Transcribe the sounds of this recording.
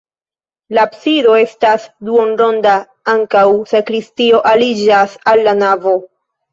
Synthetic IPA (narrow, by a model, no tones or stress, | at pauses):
lapsido̞e̞stasduonɾo̞nda | aŋkawsakɾistio̞ʔalid͡ʒasalːanavo̞